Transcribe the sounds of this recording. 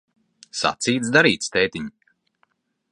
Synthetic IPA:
sa̰t̪siːt̪sd̪aɾiːt̪st̪ɛːt̪ʲiɲ

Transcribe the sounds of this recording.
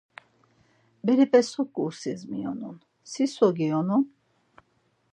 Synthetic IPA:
bɛɾipʼɛsɔkʼːuɾsizmiɔ̰nun | sisɔɡiɔnun

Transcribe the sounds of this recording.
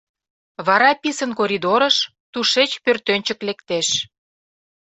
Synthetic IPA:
βɑɾɑpisənkoɾʲid̪oɾəʃ | t̪uʃet͡ɕpørt̪ønʲt͡ɕəklekt̪eʃ

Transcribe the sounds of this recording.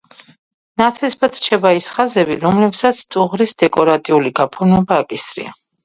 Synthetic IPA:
nat̪ʰɛsbat̪t͡ʃʰɛbaisχazɛbiɾɔmlɛpsat̪sʰt̪ʼuʁɾisd̪ɛkʼɔɾat̪ʼiuliɡapʰunɛbaːkʼisɾḭa̰

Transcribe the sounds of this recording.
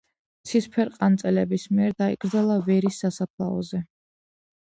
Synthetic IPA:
t̪sʰispʰɛɾqʼant̪sʼɛlɛbismiɛɾd̪aiɡɾd̪zalˠavɛɾisːasapʰlˠa̰ɔ̰zɛ

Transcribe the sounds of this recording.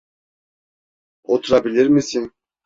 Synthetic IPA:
ot̪ʰʊɾɑbilʲeɾmɪsen

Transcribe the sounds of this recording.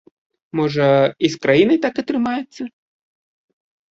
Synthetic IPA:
mɔʐɐiskɾajinɨt̪akɐt̪ɾɨmajʊt̪sːɐ

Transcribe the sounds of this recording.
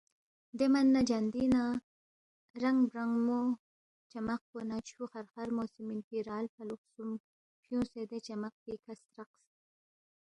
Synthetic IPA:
d̪emanːad͡ʒand̪ina | ɾaŋbɾaŋɡmo | t͡ʃamaq̚ponat͡ʃuxaɾxaɾmosiminpiɾɑːlfaluqsum | pjũsed̪et͡ʃamaq̚pikʰast̪ɾaqs

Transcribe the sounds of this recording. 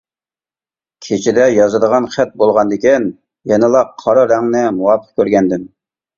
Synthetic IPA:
kʲʰet͡ʃʰɪd̪ɛjɑzɨd̪əʁɑnχæt̪̚bolˠʁɑnd̪ɪkʲin | jɛnɨlˠɑqʰːɑɾɑɾɛŋnɪmuɑpʰə̥q̚kʲʰøɾɡʲɛnd̪ɪn

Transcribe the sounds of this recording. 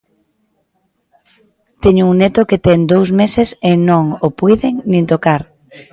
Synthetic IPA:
t̪ɛɲʊuŋnet̪oket̪ɛŋd̪owsmesesɪnõŋopujðeŋnĩnt̪okaɾ

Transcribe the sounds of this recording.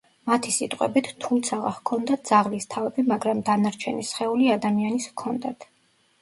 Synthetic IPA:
mat̪ʰisit̪ʼqʼwɛ̰bit̪ʰt̪ʰːumt̪sʰaʁa̰hkʰɔnd̪at̪̚dz̥aʁlist̪ʰavɛbimaɡɾamd̪anaɾt͡ʃʰɛnisχɛuliad̪amianiskʰɔnd̪at̪ʰ

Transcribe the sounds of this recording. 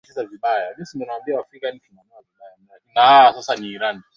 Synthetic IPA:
isaviɓajamisindɔnawambiawafrikanivimanawaviɓajanalakiasasaniːɾani

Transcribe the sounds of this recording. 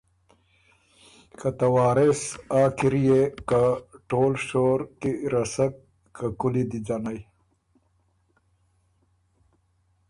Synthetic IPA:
kat̪ɐwaːɾɪsaːkiɾijekaʈoːlʂoːɾkiɾɐsɐk̚ | kakulid̪id͡ʒanaj

